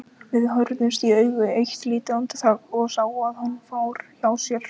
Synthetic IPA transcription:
vɪðɦœɾt̪nɪnst̪iœɥɣʏejht̪liːt̪ɪawnt̪ʰɪ̥θʰaːkɔɣsaːwaðhanːfaːwɾ̥çawsjɛɾ̥

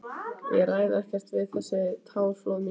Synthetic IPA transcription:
jɛɣraːjðaɛhcɛr̥t̪vɪðθɛsɪt̪ʰaːwflowm

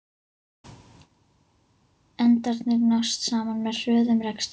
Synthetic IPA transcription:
ɛnt̪aɾt̪nɪɾnɔst̪saːmanmɛðr̥œːðʏmrɛkst̪

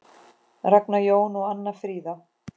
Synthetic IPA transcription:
raknajoːwnuɣanːḁfɾiːða

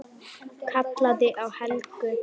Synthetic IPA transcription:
kʰat̪laðɪʔawhɛlkʏ

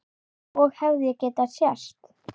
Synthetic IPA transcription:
ɔɣhɛvðɪjɛcɛːt̪asjast̪

